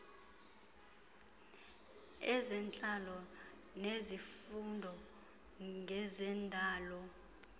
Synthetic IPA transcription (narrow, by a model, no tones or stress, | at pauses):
ɛzɛnt͡ɬʼalɔ | nezifundʱɔ | ŋʱɛzɛndʱaːlɔ